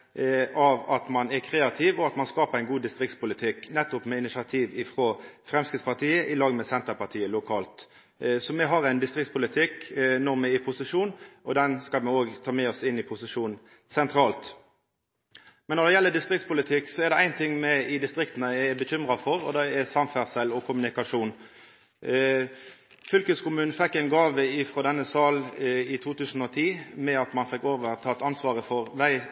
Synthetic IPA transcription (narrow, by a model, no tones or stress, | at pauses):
ɑʋɑt̪mɑnɛɾkʰɾeːɑt̪ʰɪːʋɔɑt̪mɑnskɑːpəæɪnɡuːd̪ɪst̪ʁɪkt̪spʊlɪt̪ʰɪknɛt̪ːʊpmɛɪnɪsɑt̪ʰiːʋɪfɾoːfʁɛmskɪt̪spɑʁt̪ʰiːəʔɪlɑːɡmɛsɛnt̪əɾpɑt̪ʰiːəlʊkʰɑːlt̪ | sɔmɛɦɑʁæɪnd̪ɪst̪ʁɪkt̪spʊlɪt̪ʰɪknɔʁmɛɪpʰʊsɪʂuːnʔɔd̪ɛnskɑlmɛoːɡt̪ʰɑːmɛɔsɪnːɪpʰʊsɪʂuːn | sɛnt̪ɾɑːlt̪ | mɛnːɔʁd̪ɛjɛlːəd̪ɪst̪ʁɪkt̪spʊlɪt̪ʰɪkːsɔɛʁd̪ɛæɪnt̪ʰɪŋːmɛɪd̪ɪst̪ʁɪkt̪n̩əɛbəçʏmʁɑfɔʁɔ̰d̪ɛɛsɑmfæʁsɛlɔkʰʊmʉnɪkɑʂuːn | fʏlkəskʊmʉːnn̩fɛkːæɪnɡɑːʋəɪfʁoːd̪ɛnːəsɑːlɪt̪ʰuːt̪ʰʉːsn̩ɔːt̪ʰiːmɛɑt̪mɑnfɪkːoːʋəʁt̪ʰɑːt̪ɑnsʋɑːʁəfɔʁʋæɪ